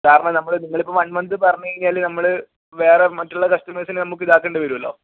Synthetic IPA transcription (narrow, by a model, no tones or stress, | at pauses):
kaːɾɐɳɐmnɐmːɐɭɨniŋːɐɭipːɐmɐnmɐnd̪ɨpɐrɐɲːueinijaːlːenɐmːɐɭɨ | ʋe̞ːremɐtːuɭːɐkɐʂtɐmeːsinɨnɐmukːɨiðaːkːeːɳɖɨʋɐɾuɐlːoː